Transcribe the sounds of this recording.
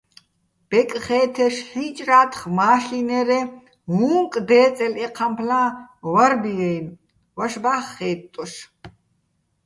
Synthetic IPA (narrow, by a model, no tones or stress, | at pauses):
b̥ɛkʼχɛːt̪ʰɛʃħit͡ʃʼraːt̪ʰχmaːɬinɛɾɛ | ɦuŋkʼd̪ɛːt͡sʼɛlɛqʰampʰlãːwaɾbijɛjn | waʃbaːχːɛːt̪ʼːɔʃ